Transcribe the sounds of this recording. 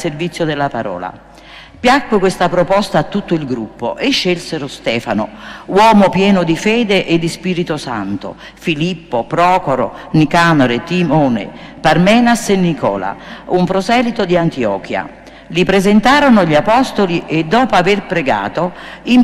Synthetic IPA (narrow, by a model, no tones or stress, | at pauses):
servit̪sːjod̪elːapaɾɔ̰ːla̰ | pjakːwɪkwest̪apɾopɔst̪aːt̪ːut̪ːoilɡɾupːo̰ʔeʃːelseɾost̪ɛːfanowɔːmopjɛːnʊd̪ifɛːd̪eʔed̪ːispiːɾit̪osa̰nt̪o̰ | filipːopɾɔːkoɾo̰ | nikaːnoɾet̪imɔːnḛparmɛːnasenːikɔ̰ːla̰umpɾosɛːlit̪od̪iant̪iɔ̰ːkja̰ | lipɾezent̪aːɾonʊʎiapɔst̪oliʔed̪ːɔːpoaverpɾeɡa̰ːt̪oim